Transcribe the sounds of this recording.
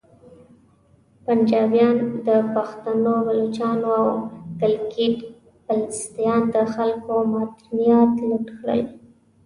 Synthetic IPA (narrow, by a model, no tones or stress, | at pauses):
pand͡ʒɑbjɑnd̪əpaxt̪anobalut͡ʃɑnoawkalɡiɖ | palɪst̪ijɑnd̪əxalkomɑt̪nijat̪luʈkɽə̰l